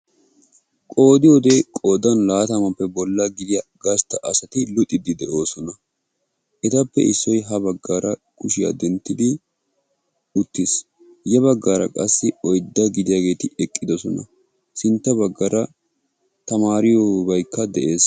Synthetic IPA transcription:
kʼo̞ːd̪ɪjoːd̪e̞ːkʼoːd̪ɐnlaːt̪ɐmɐpːɛbɔlːɐɡɪd̪ɪjɐɡɐst̪ːɐʔɐsɐt̪ɪlʊt̪ʼːɪd̪ɪd̪ɛʔo̞ːsɔnɐ | ʔɛt̪ɐpːɛ̰ʔɪsːɔjɦɐbɐɡːaːɾɐkʊʃɪjɐ̰d̪ɛnt̪ːɪd̪ɪ | ʊt̪ːɪs | jɛβɐɡːaːɾɐ̰kʼɐsːɪɔjd̪ːɐɡɪd̪ɪjaːɡe̞ːt̪ɪɛkʼːɪd̪ɔsɔnɐ̰ | sɪnt̪ːɐbɐɡːɐɾɐ | t̪ɐmaːɾɪjobɐjkːɐd̪ɛʔe̞ːs

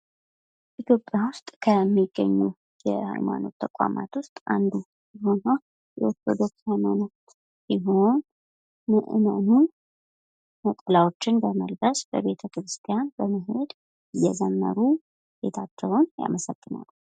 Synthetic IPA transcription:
ʔit̪ʰjo̞pʼːjawʊst̪ʼkʰəmːiɡːə̰ɲːu | jɛha̰jma̰no̞t̪ʰːəkʼa̰mat̪wʊst̪ʼand̪u | jho̞nəw | jɛwosəd̪o̞t͡ʃːhajmano̞t̪ː | iɦo̞n | məʔɨnənu | məkʼəlawo̞t͡ʃːɪnbəməlbəsbəβe̞t̪ʰəkɾɨst̪ʰʼijanbəməɦe̞d̪ | ɨjɛzəmːə̰ɾu | jɛt̪ʰat̪ːəβonja̰məsəɡ̥ːɨna̰lː

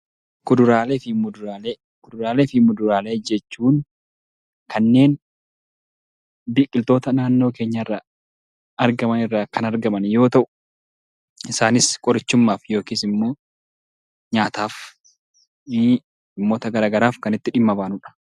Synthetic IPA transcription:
kʊd̪ʊɾaːleːfɪmʊd̪ʊɾaːleː | kʊd̪ʊɾaːleːfɪmːʊd̪ʊɾaːle̞ːd͡ʒɛt͡ʃːuːn | kɐnːe̞ːn | biːkʼːɪlt̪o̞ːt̪ɐnaːnːo̞ːke̞ːɲːɐɪrːɐ | ɐɾɡɐmɐnɪrːaːkɐnɐɾɡɐmɐnjo̞ːt̪ɐʔʊ̥ | ɪsaːnɪskʼɔɾɪt͡ʃːʊmːaːfjo̞ːkiːsɪmːo̞ː | ɲaːt̪aːf | ɪmːo̞ːt̪ɐɡɐɾaːɡɐɾaːfkɐnɪt̪ːɪᶑɪmːɐbaːnʊᶑɐ̥

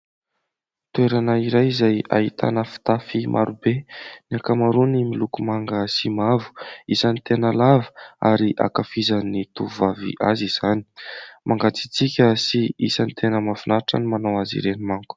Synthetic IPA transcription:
t̪ueɾanəiɾajizaja̰ɦit̪ʰa̰nəfi̥t̪afimʔa̰ɾubeniakamaɾunimilukumaŋɡəsimavu̥isənit̪enəlavə̥a̰ɾiʔa̰kafizanit̪uvavḭʔaziz̥ani̥mʔaŋɡat͡si̥t͡sikʲəsiisanit̪ʰenəmavunaʈ͡ʂə̰nimanawazḭɾenimaŋku̥

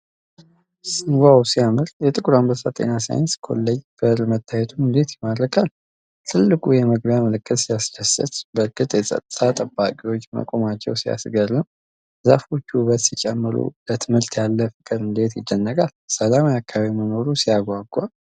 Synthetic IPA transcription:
sɨɡʷawsijamɨɾjɛt̪ʼɨkʼuɾambəsat̪ʼḛnasa̰jɪnskʰo̞̰lːəjb̥əɾmət̪ʰːajɛt̪ʰuɨnd̪e̞t̪jɪmad̪ɾəkʰal | t̪ʰɨlːɨkʼujɛməɡbjaməlɨkʼːət̪sijasd͡ʒasɨ̰t̪bəɾkʼɨt̪ʼjɛsʼə̰t̪ʼɨt̪ʰat̪ʼəbːakʼiwo̞t͡ʃːmə̰kʼo̞mat͡ʃːɛ̰wsia̰sɡəɾɨm | zafo̞t͡ʃːuβət̪sit͡ʃʼɛmːɨɾṵlət̪ʰɨmhɨɾt̪jalːəfɨkʼɨɾɨnd̪et̪jɪd̪ːənːəɡalsəlamajakʰːaβaβiməno̞ɾusijaɡʷaɡʷːa

